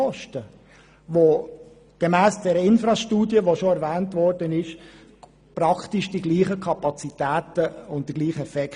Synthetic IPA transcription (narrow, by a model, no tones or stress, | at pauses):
ɔʃtə | ʋo | ɡ̥emæːsd̥ɛɾəɪnfɾɑʃtuːdjəʋoʃoɛɾvæːntvɔrdənɪʃ | pɾɑktɪʃd̥iɡliːχəkʰɑpɑt͡sitæːtəʊnt̚d̥iɡliːχəɛfɛk